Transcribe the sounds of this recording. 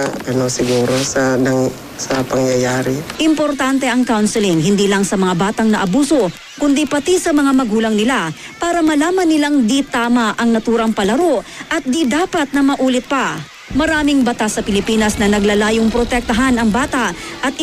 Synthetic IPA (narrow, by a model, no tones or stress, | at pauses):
ɐnosɪɡuːɾosɐɐ | sɐpɐŋjɐjaːɾɪʔɪmpoɾt̪ant̪ɛɐŋkawnsɪlɪŋhɪnd̪iːlɐŋsɐmɐŋabaːt̪ɐŋnɐʔɐbuːso̞ | kʊnd̪ipɐt̪isɐmɐŋamɐɡuːlɐŋnɪla | paːɾɐmɐlaːmɐnːɪlaŋd̪it̪aːmɐʔɐŋnɐt̪uːɾɐŋpɐlɐɾo̞ʔʔɐt̪̚d̪id̪aːpɐt̪̚nɐmɐʔuːlɪt̪̚pɐ | mɐɾaːmɪŋbɐt̪asːɐpɪlɪpiːnɐsnɐnɐɡlalaːjoŋpɾot̪ɛk̚t̪ɐɦanɐŋbaːt̪ɐʔʔɐt̪̚